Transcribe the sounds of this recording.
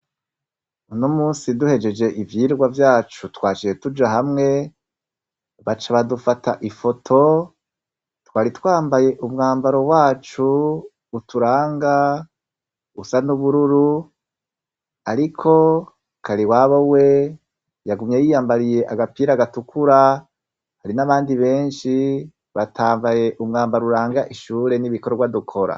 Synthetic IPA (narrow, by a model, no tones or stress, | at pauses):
unomuːnsiduhe̞d͡ʒe̞d͡ʒe̞ʔivjiːɾɡwavjaːt͡ʃutwaːt͡ʃije̞tud͡ʒaɦamŋe̞ | βat͡ʃaβadufatʰaʔifo̞tʰo̞ | twaːɾitwaːmbaje̞ʔumŋaːmbaɾo̞waːt͡ʃuː | tuɾaːŋɡa | usanuβuɾuɾu | aɾikʰo̞ | kʰaɾiwaβowe̞ | jaɡumɲe̞jijaːmbaɾije̞ʔaɡapiːɾaɡatukʰuɾa | haɾinaβaːndiβe̞ːnʃi | βatʰaːmbaje̞ʔumŋaːmbaɾuɾaːŋɡaʔiʃuːɾe̞niβikoɾɾɡwadukʰo̞ɾa̰